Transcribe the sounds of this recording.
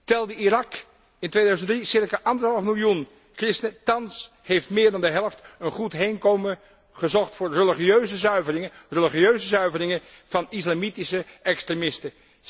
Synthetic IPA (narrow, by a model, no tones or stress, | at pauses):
tɛlˠdəirɑk | ɪntʋejdœɥzəntdrisɪɹkaʔɑndəɦɑlˠfmɪlˠjun | krɪstənətɑns | hejftmɪːɹdɑndəɦɛlˠəftənχutɦejnkowmə | χəzɔχtfʊːɹrəliχiøɥzəzœɥvərɪŋərəliχiøɥzəzœɥvərɪŋən | v̥ɑnislamitisəɛkstremɪstə